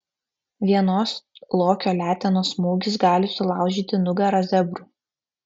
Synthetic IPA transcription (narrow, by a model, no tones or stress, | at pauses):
ʋʲiɛnoːslˠoːkʲoːlʲæːt̪ʲɛnoːsmuːɡʲɪs̬ɡɑːlʲɪsʊlˠɑˑʊʒʲiːt̪ʲɪnʊɡɐɾɐzʲɛbʲɾuː